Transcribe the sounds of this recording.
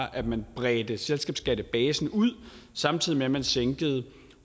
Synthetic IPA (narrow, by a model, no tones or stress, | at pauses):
ʔæ̥mænb̥ʁɛːd̥əselsɡ̥ɛːb̥sɡ̥ɛd̥əb̥ɛːsn̩uð̰ˠ | sɑ̈mt͡sʰið̰ˠimemænseŋɡ̥əð̞̩ˠ